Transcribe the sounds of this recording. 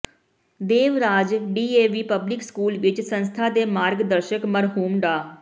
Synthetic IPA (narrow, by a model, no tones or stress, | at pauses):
d̪eːʋɾaːd͡ʒɖiːeːʋiːpəblɪkskuːlʋɪt͡ʃsənst̪ʰaːd̪eːmaːɾɡd̪əɾʃəkməɾɦuːmɖaː